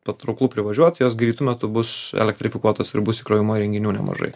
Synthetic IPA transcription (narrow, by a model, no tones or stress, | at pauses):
pɐt̪ɾɐʊklˠuːpʲɾʲɪʋɐʒʲuɔt̪joːsɡɾʲiːt̪ʊmʲɛt̪ʊbʊsɛ̰lʲɛk̚t̪ʲɾʲɪfʲɪkuɔt̪oːsɪ̰ɾbʊsɪkɾoːjɪmuːjɾʲɛŋʲɡʲɪnʲuːnʲɛ̰mɐ̰ʒɐ̰ɪ